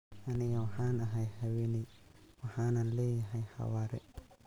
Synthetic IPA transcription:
anijawhanaɦajhawiniwahanaleaɦajha̰waɾɛ̰

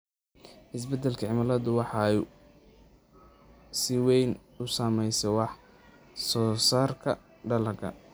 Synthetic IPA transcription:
ɪs̬bɛd̪ɛlkʰɐʕɪmalɐðʊwɑħɑɛj | sɪwɛjn | ʊsaːmɛjsɛwɑħ | sɔːsaːrkʰɐ | ɖɐlɐkʰɐ̰

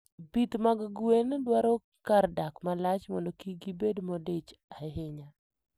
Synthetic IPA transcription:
bit̪maɡɡwendwaɾɔ | kardakmalat͡ʃmɔ̰ndokiɡibedmɔdet͡ʃaɦɪɲa

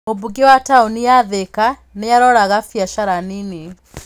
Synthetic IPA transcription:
obuɡewataonijaðekanejaɾɔɾaɣafjaʃaɾanine

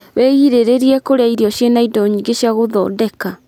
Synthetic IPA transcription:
wɛiɾeɾeɾiɛkoɾeaiɾiɔɕjenaidɔɲiːŋɡeɕjaɣoðɔ̰ːdɛka

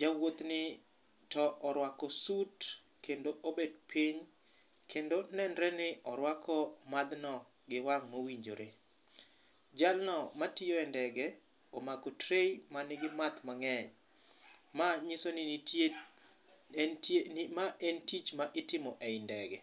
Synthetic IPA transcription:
d͡ʒawot̪nɪ | tɔʔɔɾwakɔsut | kendoʔobedpʰiɲ | kʰendonɛndɾɛnɪʔɔɾwakʰɔmad̪nɔ | ɡɪwaŋmowiɲd͡ʒo̰ɾʔe | d͡ʒalnɔmatɪjoɛndɛɡɛ | omakɔtɾejmanɪɡɪmat̪maŋɛɲ | maɲisonɪ | maʔɛntit͡ʃmaʔɪtɪmɔʔɛɪndɛɡɛ

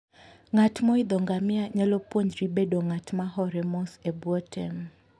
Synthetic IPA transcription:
ŋatmɔid̪ɔŋɡamɪaɲalɔpwoɲd͡ʒɾibedoŋatmaɦɔɾɛmɔsɛbwɔtʰɛm

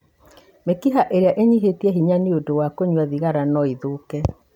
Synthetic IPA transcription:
mekiɦaʔeɾeaʔeɲiɦetiɛɦiɲaniodowakoɲwaðiɣaɾanɔiðokɛ

